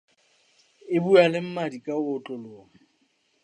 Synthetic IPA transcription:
ɪbualɪm̩madikʼaʊt͡ɬʼɔlʊːŋɛ

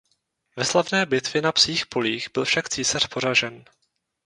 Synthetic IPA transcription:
vɛslavnɛːbɪt̪vjɪnapsiːxpo̞liːxbɪlfʃakt͡siːsar̝̥po̞ɾaʒɛn

